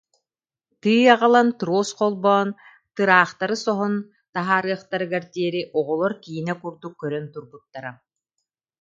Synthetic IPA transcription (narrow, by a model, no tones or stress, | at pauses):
t̪ɯːjaʁalˠant̪ɾoːsqɔlˠbɔn | t̪ɯɾaːχt̪aɾɯsɔɦɔn | t̪aɦaːɾɯːχt̪aɾɯɡaɾt̪iɛɾiʔɔʁɔlˠɔɾkiɦinɛkuɾd̪ukːœɾœnt̪uɾbut̪ːaɾa